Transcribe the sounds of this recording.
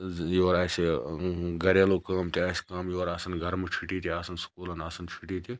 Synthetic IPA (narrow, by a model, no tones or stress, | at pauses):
joːɾaːsi | ɡɐɾeːlokaːmt̪iaːskaːmjoːɾaːsɐnɡʱɐɾmɨt͡ʃʰiʈiːt̪iaːsɐnskuːlɐnaːsɐnt͡ʃʰiʈit̪i